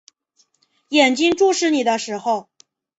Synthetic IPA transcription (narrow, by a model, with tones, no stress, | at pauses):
jɛ˨˩nt͡ɕi˥ŋʈ͡ʂu˥˧ʂɻ̩˥˩ni˨˩d̪ə˦ʂɻ̩˧˥xo˥˧˩ʊ